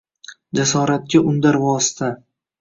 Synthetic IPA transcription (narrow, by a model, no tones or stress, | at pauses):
d͡ʒasɒɾat̪̚kʲaʔʊnd̪aɾvɒsɪt̪ʰa